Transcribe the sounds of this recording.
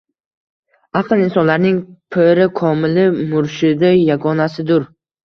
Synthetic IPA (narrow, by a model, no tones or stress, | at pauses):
aqɨlˠinsɒnlaɾnɪŋpʰeɾɪkʰɒmɪlɪmʊɾʃɪd̪ajaɡɒnasɪd̪ʊɾ